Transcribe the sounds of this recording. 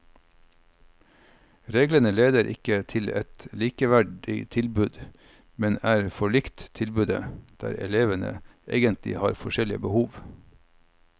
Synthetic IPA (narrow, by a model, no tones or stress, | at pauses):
ɾeːɡlənəleːd̪əɾʔɪ̰kət̪ʰɪlɛt̪liːkəʋæɖɪ̰t̪ʰɪlbʉd̪ | mɛnæːɾfɔɭɪkt̪t̪ʰɪlbʉd̪ə̰d̪̥æ̰ːɾɛ̰leːʋənə̰ʔḛːɡənt̪ʰlɪ̰hɑ̰ːɾfɔʃɛlɪəbəhuːʋ